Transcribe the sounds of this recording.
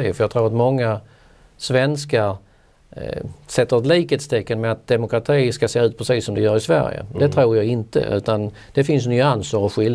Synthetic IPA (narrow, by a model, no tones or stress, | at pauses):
fœjɑɡt̪ʰɾuːɾat̪mɔŋːa | svɛnskaɾ | sɛt̪ːəɾət̪liːkət̪st̪ʰɛkːənmɛat̪̚d̪ɛmʊkɾat̪ʰiːskaseːʉ̟ːt̪̚pʰɾɛsiːsːɔmd̪ɛjœːɾɪsvæ̰ɾjə̰d̪ɛt̪ʰɾuːɾjɑːɡɪnt̪ə̰ʔʉ̟̰ːt̪an | d̪̥ɛfɪns̬nʏansəɾɔɧɪln